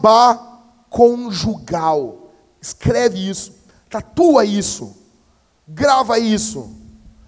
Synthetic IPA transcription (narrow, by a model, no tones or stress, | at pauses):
ba | kʰõʒuɡaw | ɪskɾɛvɪisʊ̥ | t̪at̪uɐisʊ̰ | ɡɾavɐisʊ̰